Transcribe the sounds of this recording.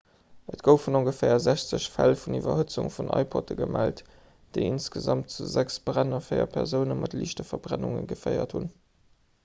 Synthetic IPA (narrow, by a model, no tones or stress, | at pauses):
ətɡ̥əʊfunoŋɡəfɛːɐzæɕt͡səɕfælfunivɐɦət͡suŋfunʔɑɪpʰɔtəɡəmælt | d̥eɪinsɡ̥əzɑmt̚t͡suzæksb̥ʁænɐfəɪɐ̰pʰɛʁzəʊnəmɑtliːʃtəfɐbʁænuŋə̰nɡəfɜɪɐthun